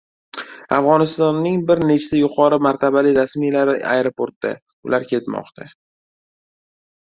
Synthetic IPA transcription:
afʁɒnɪst̪ɒnːɪŋbɪɾne̞t͡ʃʰt̪ajʊqʰɒɾɪmaɾt̪ʰabalɪɾasmijlaɾɪa̰jɾopʰoɾt̪d̪a̰ | ʊlaɾkʲʰe̞t̪mɒ̰qt̪ʰa

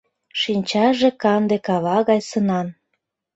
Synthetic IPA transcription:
ʃinʲt͡ɕɑʒekɑnd̪ekɑβɑɣɑjsənɑn

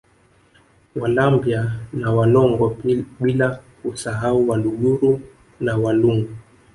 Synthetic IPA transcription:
walambjanawalɔŋɡɔɓilakusaɦauwaluɡuɾu | nawaluŋɡu

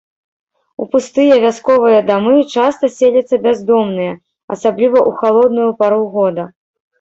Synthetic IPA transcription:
upust̪ɨjɐvʲaskɔvɨjɐd̪amɨt͡ʂast̪ɐsʲelʲɐt̪sːɐbʲazd̪ɔmnɨjɐ | ɐ̰sablʲivɐʔuxalˠɔd̪nujupaɾuɣɔd̪ɐ

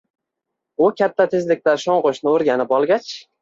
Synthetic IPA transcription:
ʊkʲʰat̪ʰːat̪ʰezlɪk̚ʲlaɾʃɒɴqoʃnɪoɾɡʲanɪpɒlˠɡʲat͡ʃ

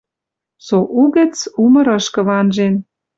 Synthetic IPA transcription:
soʔuɣə̆t͡sumɤ̆ɾɤ̆ʃkɤ̆βɑnʒen

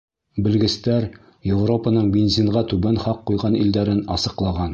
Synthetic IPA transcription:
bɘ̆lɡɘ̆st̪æɾ | jevro̞pənɤɴbʲenzʲiɴʁɑt̪ʉbænχɑqːujʁɑnḭld̪æɾɘnɑ̰sɤ̆qlˠɑʁɑn

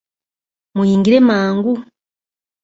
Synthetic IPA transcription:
mujiːŋɡiɾemaːŋɡu

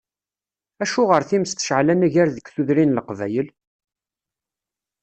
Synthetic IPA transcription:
æʃʊʁəɾθiməst̪ə̥ʃʕlænæʝæɾðəɡθuðɾinləqvæ̰jəl

